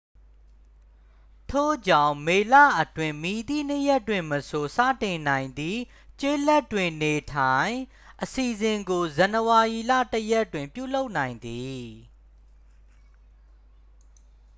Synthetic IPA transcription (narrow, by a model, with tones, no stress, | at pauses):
tʰo̰˦˨d͡ʑã˦˨ʊ̃me˨lä̰˦˨ʔətwɪ̃˨mi˨d̪ḭ˦˨n̥ə˦˨jɛ˦tːwɪ̃˨məso˨sa̰˦˨tɪ̃˨nã˨ɪ̃nd̪i˦˨ | t͡ɕe˦lɛ˦tːwɪ̃˨ne˨tʰã˨ɪ̃ | ʔəsi˨zɪ̃˨ŋɡo˨zã˨nəwa˨ʔi˨la̰˦˨təjɛ˦˨twɪ̃˨mpjṵ˦˨lo˦ʊʔnã˨ɪ̃nd̪i˨